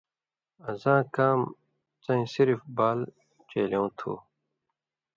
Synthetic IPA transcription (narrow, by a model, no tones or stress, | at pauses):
ɐzãːkaːm | t͡sɐ̃ĩsiɾfbaːl | t͡ɕeːljeũt̪ʰṵː